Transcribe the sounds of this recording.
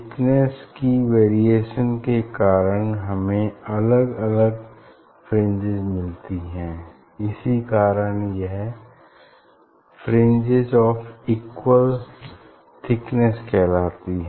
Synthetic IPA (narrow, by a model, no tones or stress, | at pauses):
ɪkneskiʋeːɾieːʃənkekaːɾənɦɐmẽɐləɡɐləɡ | pʰɾẽnd͡ʒɪzmɪlt̪iɦɛ̃ː | ɪsikaːɾənjɛɦ | pʰɾẽnd͡ʒɪzɔːfʰiːkwəl | t̪ʰɪknəskʰɛːlaːt̪iɦɛ